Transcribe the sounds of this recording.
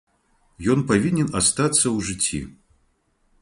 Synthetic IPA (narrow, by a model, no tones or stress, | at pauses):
jɔnpavʲinʲɛnast̪at̪sːɐwʐɨt͡sʲːḭ